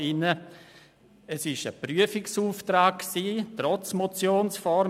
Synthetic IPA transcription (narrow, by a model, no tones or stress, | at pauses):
ɪnə | ɛsɪʃəpryəfɪksuːftɾaːkksiːtɾɔt͡smot͡sjoːnsfɔɾ